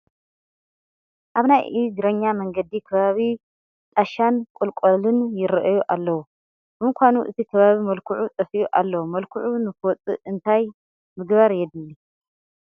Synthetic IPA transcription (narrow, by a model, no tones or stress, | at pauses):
ʔaβnajʔiɡɾɐɲːamɐŋɡɐd̪ikʰɐβaβi | t̪ʼaʃankʼulkʼolɨnjɪɾɐʔjuʔalːɐwu | b̥ɨmɨkʰʷanuʔɨ̰t̪ʰikʰɐβaβimɐlkʰuʕut͡s̪ʼɐfijuʔalːɐwumɐlkʰuʕunɨkwɔt͡sʼɨ̰ʔɨnt̪ʰaj | mɨɡβaɾjɛd̪ɨlːi